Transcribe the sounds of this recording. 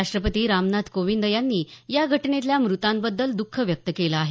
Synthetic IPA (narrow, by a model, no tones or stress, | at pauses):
aʂʈɾəpət̪iːɾamnad̪koʋind̪əjanːiːjaɡʱəʈnet̪ljamɾut̪ãmbəd̪ːəld̪ukʰːəʋjək̚t̪əkelaːɦe